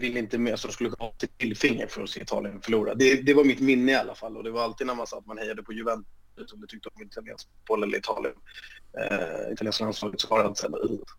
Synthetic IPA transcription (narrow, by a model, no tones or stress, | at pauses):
vɪlːəɪnt̪əalsɔd̪ɔmskɵlːəkʰɵnːat̪ʰːɪt̪ʰɪlːfɪŋːə̰ɾfœɾɔsḛːɪt̪ʰɑ̰ːlɪənfœɭuːɾa̰d̪ɛd̪ɛvaɾmɪt̪mɪnːəɪalːafalːɔd̪ɛvaɾalt̪iːd̪naɾma̰nsaːt̪ːmanhɛjːad̪əpʰɔjɵvɛnt̪ | ʉt̪ɔmd̪ɛt̪ʰʏkt̪əɔmɪt̪ʰalɪjɛ̰ns | bolɛlːə̰ɾɪt̪ʰɑ̰ːlɪə̰n | ɪ̰t̪aleːnsklansvɑːɡət̪svɑaɾalt̪sɛ̰d̪ə̰ʉ